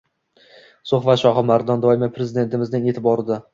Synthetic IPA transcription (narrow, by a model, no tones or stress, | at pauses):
soχbat̪ʃɒχɪmaɾd̪ɒnd̪ɒɪmapʰɾe̞zɪd̪e̞nt̪ʰɪmɪznɪŋe̞t̪ʰɪbɒɾɪd̪a